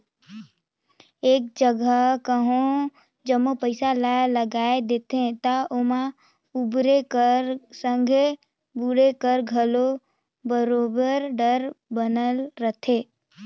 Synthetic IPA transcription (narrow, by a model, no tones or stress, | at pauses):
eːk̚d͡ʒəɡəkəɦõ | d͡ʒəmːopəɪsalaləɡaːed̪eːt̪ẽt̪aʔomã | ubɾekəɾsə̃ŋɡʱe | buɾekəɾɡʱəlo | bəɾoːbəɾɖəɾbənəlːət̪ʰeː